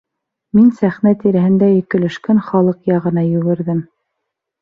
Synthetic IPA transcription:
minsæχnæt̪iɾæhɘ̆nd̪æjɵ̆kɘ̆lɘ̆ʃkænχɑlˠɤqjɑʁɤ̆nɑjɵ̆ɡɘ̆ɾðɘm

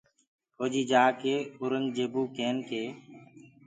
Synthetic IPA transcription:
hoːd͡ʒiːd͡ʒaːkeːʊɾəŋɡd͡ʒeːbuːkeːnkeː

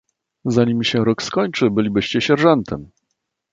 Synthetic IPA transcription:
zaɲimɕɛɾɔkskɔɲt͡ʂɘbɘlʲibɘɕt͡ɕɛɕɛɾʐɛnt̪ʰɛm

